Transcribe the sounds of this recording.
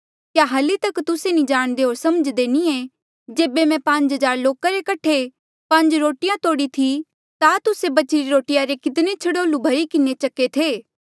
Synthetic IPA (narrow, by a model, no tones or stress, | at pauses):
kjaɦɐlit̪ɐkt̪ʊsenĩd͡ʒaːɽ̃d̪eɦoːɾsɐməd͡ʒd̪eːniẽ | d͡ʒeːbemɛ̃pɐ̃ɲd͡ʒɦɐzaːɾloːkaɾekɐʈʰe | pɐ̃ɲd͡ʒɾoːʈɪjãt̪oːɽit̪ʰi | t̪at̪ʊsebɐt͡ʃɾiɾoːʈɪjaɾekɪt̪̬net͡ʃʰɐɽoːlubʱɐɾikɪnet͡ʃɐkːet̪ʰeː